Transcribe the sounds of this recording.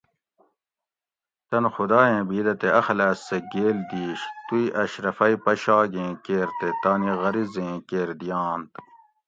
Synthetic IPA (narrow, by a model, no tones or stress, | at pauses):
t̪ɐnxʊd̪aːẽːbiːd̪ɐt̪eɐxlæːsːeɡeːld̪iːɕt̪uiʔɐɕɾɐfɐipɐɕaːɡẽːkeːɾt̪et̪aːniɣɐɾizẽːkeːɾd̪ijãːnt̪